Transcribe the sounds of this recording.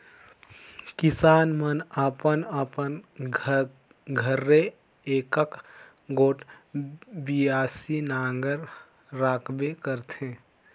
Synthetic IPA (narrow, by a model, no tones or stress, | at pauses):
kɪsaːnmənəpənəpən | ɡʱəɾːe | eːkək | ɡoːʈ | biaːsinaːŋɡəɾ | ɾaːkʰbekəɾt̪ɦẽː